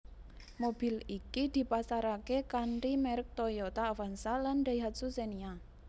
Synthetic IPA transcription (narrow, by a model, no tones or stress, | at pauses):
mobi̤likid̪̥i̤pasaɾakekanʈimɛɾək̚t̪ojɔt̪aːwansaland̪aiɦat̪̚susenia